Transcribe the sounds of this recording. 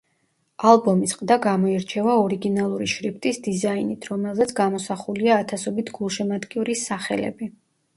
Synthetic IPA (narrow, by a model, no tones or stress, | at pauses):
alˠbɔmisqʼd̪aɡamɔiɾt͡ʃʰɛvaɔɾiɡinalˠuɾiʃɾipʰt̪ʼisd̪izainit̪ʰɾɔmɛlˠzɛt̪sʰɡamɔsaχuliaːt̪ʰasɔbit̪ʰɡulˠʃɛmad̪kʼiuɾisːaχɛ̰lɛ̰bi